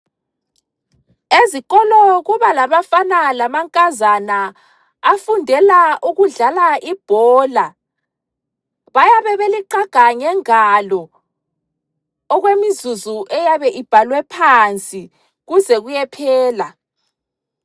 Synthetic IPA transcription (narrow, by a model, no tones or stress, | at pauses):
eziɣɔlɔɣuβalaβafanalamaŋkʼazana | afundʱɛlaʔuɣuɮalaʔib̥ʱɔːla | βajaβɛβeliǃaɡ̥ʱaŋɛŋalɔ | ɣwemizuzuʔɛjaβɛʔib̥ʱalwɛpʰant͡sʼi | ɣuzɛɣujɛpʰɛːla